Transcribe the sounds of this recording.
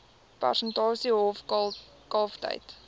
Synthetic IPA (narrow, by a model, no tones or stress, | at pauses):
pæ̰rsəntɑːsiɦɔf | kɑːftə̰jt